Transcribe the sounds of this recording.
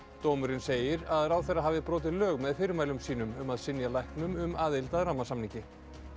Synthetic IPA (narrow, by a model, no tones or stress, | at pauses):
t̪owmʏɾɪnseːjɪɾaðɾaːwθɛjrːaɦaːvɪpɾoːt̪̬ɪðlœːɣmɛðfɪɾʏmaːjlʏmsiːn̪ʏmʏmaðsɪnjalajhknʏmʏmaːðɪlt̪aðɾaːmasamniɲcɪ